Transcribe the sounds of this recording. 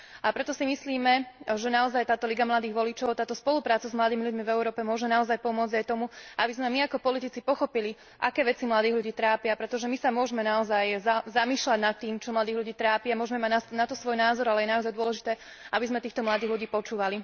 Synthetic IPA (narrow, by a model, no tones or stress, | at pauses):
ʔapɾɛt̪ɔsimisliːmɛʒɛnaɔzajt̪aːt̪ɔliɡamlad̪iːɣʋɔlit͡ʃɔʊt̪aːt̪ɔspɔlupɾaːt͡sazmlad̪iːmiluɟmivɛuɾɔːpɛmʊɔʒɛnaɔzajpɔmʊɔd͡zɟajt̪ɔmuʔabizmɛmiakɔpɔlit̪it͡sipɔxɔpili | ʔakɛːʋɛt͡simlad̪iːɦluɟiːt̪ɾaːpɪapɾɛt̪ɔʒɛmisamʊɔʒmɛnaɔzajzazamiːʃlaɟnat̪ːiːmt͡ʃɔmlad̪iːɣluɟiːt̪ɾaːpiamʊɔʒɛmɛmaɟnanat̪ɔsʋɔjnaːzɔɾalɛjɛnaɔzajd̪ʊɔlɛʒit̪ɛː | ʔabizmɛt̪iːxt̪ɔmlad̪iːɣluɟiːpɔt͡ʃuːʋali